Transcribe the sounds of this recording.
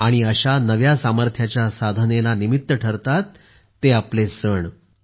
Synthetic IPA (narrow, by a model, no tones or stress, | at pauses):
aɽ̃iəɕanəʋjasaməɾt̪ʰjat͡ɕjasad̪ʱənelanimit̪ːəʈʰəɾt̪at̪ː | eaplesəɳ